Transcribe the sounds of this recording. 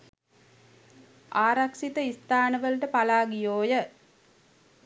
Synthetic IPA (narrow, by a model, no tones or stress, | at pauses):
aːɾakʂit̪əist̪aːnəʋəlʈəpalaːɡijoːjə